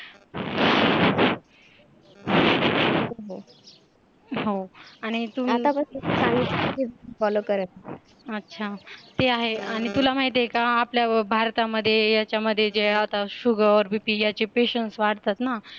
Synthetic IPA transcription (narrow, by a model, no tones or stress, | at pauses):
a | ɦoɦo | ɦoaɽ̃it̪ut̪abəisaŋid͡ʑibfɔlokəɾə | ətːɕʰat̪eaɦeaɽ̃it̪ulamaɦit̪ekaːpljabʱaɾt̪aməd̪ʱːjejat͡ɕjaməd̪ʱːjed͡ʑeat̪aɕuɡʱəɔɾbʱipijat͡ɕepeɕənsʋaɽt̪at̪na